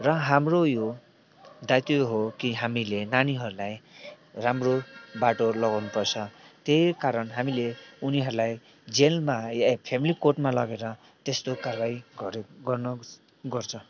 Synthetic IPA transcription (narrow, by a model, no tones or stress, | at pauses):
rʌɦamrojo | d̪ajt̪joɦokiɦamilenaniɦʌɾulaj | ramrobaʈolʌɡawnupʌrt͡sʰʌt̪ejkaɾʌnɦamileuniɦʌɾulaj | d͡zelmajpʰemilikorʈmalʌɡeɾʌ | t̪est̪okarbaiɡʌɾɡʌrnʌ | ɡʌrt͡sʰʌ